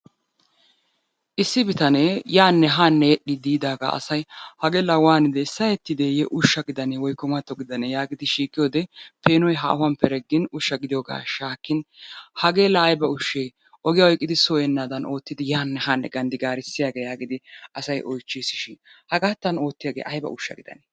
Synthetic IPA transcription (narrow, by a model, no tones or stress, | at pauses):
ʔɪsːɪbɪt̪ɐnejaːnːɛɦaːnːɛjɛɗːɪd̪iːd̪aːɡa̰ɐ̰sɐjhɐɡelɐwaːnɪd̪ɛɪsːɐjɛt̪ːɪd̪eːjɛʔʊʃːɐɡɪd̪ɐnewɔjkːɔmɐt̪ːɔɡɪd̪ɐnejaːɡɪd̪ɪʃiːkʼːɪjoːd̪ɛpe̞ːnɔjɦɐ̰ʔwɐmpɛɾɛɡːɪnʊʃːɐɡɪd̪ɪjoːɡa̰ːʃaːkːɪnhɐɡeːlɐːjbɐʊʃːej | ʔɔɡɪjɐwɔjkʼːɪd̪ɪsɔjɛnːaːd̪ɐnʔo̞ːt̪ːɪd̪ɪjaːnːɛhaːnːɛ̰ɡɐnd̪ɪɡaːɾɪsːɪjaːɡeːjaːɡɪd̪ɪɐsɐjʔɔjt͡ʃːisɪʃɪhɐɡaːt̪ːɐno̞ːt̪ːɪjaːɡḛːʔɐjbɐ̰ʔʊ̰ʃːɐ̰ɡɪd̪ɐ̰ne